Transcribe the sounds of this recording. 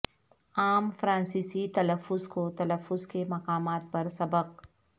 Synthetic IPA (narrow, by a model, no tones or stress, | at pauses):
aːmfɾãːnsiːsit̪ɐləfːʊzkot̪ɐləfːʊzkemɐqaːmaːt̪̚pɐɾsɐbəq̚